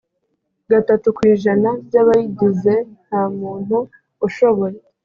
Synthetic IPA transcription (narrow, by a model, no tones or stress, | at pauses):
ɡatatukwiːʒanabɟaβajiɟize̞n̥haːmuːn̥huː | ʃo̞βo̞je